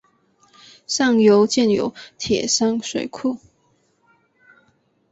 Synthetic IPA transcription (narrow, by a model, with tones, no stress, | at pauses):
sɑ˥˩ŋjo˧˥ʊt͡ɕjɛ˥˩njo̰˧˥ʊt̪ʰjɛ̰˨˩sa˥ŋʂwḛ˨˩ɪkʰu˥˩